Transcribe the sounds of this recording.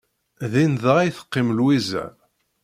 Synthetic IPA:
ðinðəæjθə̥qːɪmlwizæ̰m

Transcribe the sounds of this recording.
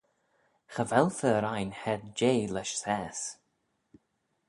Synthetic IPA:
xəvɛlˠfəɾajnhɛd̪d͡ʒeːlɛʃsɛːs

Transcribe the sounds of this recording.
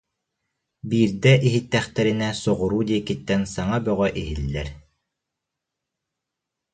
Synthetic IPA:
biːɾd̪ɛʔiɦit̪ːɛχt̪ɛɾinɛsɔʁuɾuːd̪iɛkit̪ːɛnsaŋabœʁœʔiɦilːɛɾ

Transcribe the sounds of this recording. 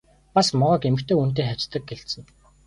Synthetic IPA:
pasmɔʁɞ̆kemɘ̆kt̪eːun̥t̪̬eːχaw̥ʲt͡ɕt̪ə̆k̚ɡeɬt̪sɘ̆ŋ

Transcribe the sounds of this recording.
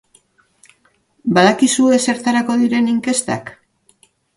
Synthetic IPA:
baðakisue̞se̞ɾt̪aɾako̞ðiɾe̞niŋke̞st̪a̰k

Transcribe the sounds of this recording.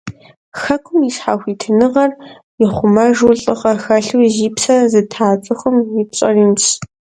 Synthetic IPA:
xɐkʷʰʊmisħaːxʷiːtʰɨnɨʁɐr | jɪχʷʊmɐʒuwɬʼɨʁɐxɐɬuwʒiːpsɐzɨtʰaːt͡sʼɨxʷʊmiːpɕʼɐ̰riːmɕ

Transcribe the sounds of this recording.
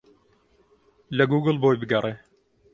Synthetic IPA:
lɐɡuːɡɨlboːjbɨɡɐrˤeː

